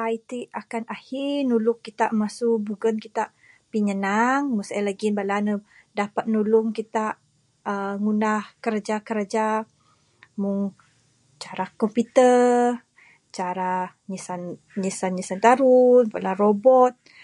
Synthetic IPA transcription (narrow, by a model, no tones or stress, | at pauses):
ajt̪iakanahinulʊkkːit̪aʔmasuʔbuɡənkit̪aʔ | piɲənaŋmusajlaɡinbalanə | dapat̪̚nulʊŋkit̪aʔ | əŋunahkəɾad͡ʒakəɾad͡ʒa | muŋ | t͡ʃaɾakɔmput̪ə | t͡ʃaɾa | ɲisan | ɲisanɲisant̪aɾunbalaɾobɔt̪̚